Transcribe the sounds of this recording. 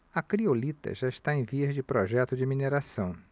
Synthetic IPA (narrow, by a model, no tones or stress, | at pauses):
ɐkɾiolit̪ɐ̰ʒaɪʃt̪aẽj̃viɐzd͡ʒɪpɾɔʒɛt̪ʊd͡ʒɪmineɾasɐ̃w̃